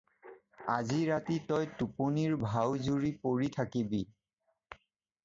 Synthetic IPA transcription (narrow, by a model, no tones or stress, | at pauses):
aziɹatitɔjtuponiɹbʱawzuɹipoɹitʰakibi